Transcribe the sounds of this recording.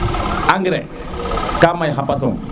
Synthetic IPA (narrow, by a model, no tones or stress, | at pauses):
aŋɡɾḛ | kamajxapas̬o̰ŋ